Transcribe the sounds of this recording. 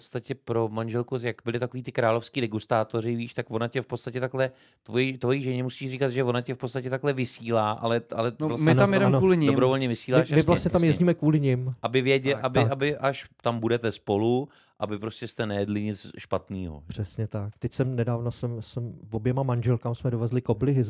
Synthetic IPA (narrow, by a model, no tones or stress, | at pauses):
pot͡st̪acɛpɾo̞manʒɛlkujakbɪlɪt̪ako̞viːt̪ɪkɾaːlo̞fskiːdɛɡust̪aːt̪o̞ɾɪviːʃt̪akvonacɛfpot͡sst̪acɛt̪aklɛ | t̪vojɛt̪vo̞jiʒɛɲɛmusiːʃrikat̪ʒɛvo̞nacɛfpott͡st̪acɛt̪aklɛvɪsiːlaːʔa̰lɛʔa̰lɛnvlasmɪamjɛdɛmuːlɪɲɪobɾovo̞lɲɛvɪsiːlaːʃmɪvlastɲɛt̪amjɛzɲiːmɛkvuːlɪɲɪmʔabɪvjɛɟɛʔabɪʔaɪʔaʃt̪ambudɛt̪ɛspo̞lu | ʔabɪpɾoscɛst̪ɛnɛjɛdlɪɲɪt͡sʃpat̪niːɦo̰pr̝̥ɛsɲɛt̪ak̚t̪ɛcsɛmnɛdaːvnosɛmsɛmvobjɛmamanʒɛlkamsmɛdovɛzlɪkoblɪɦɪ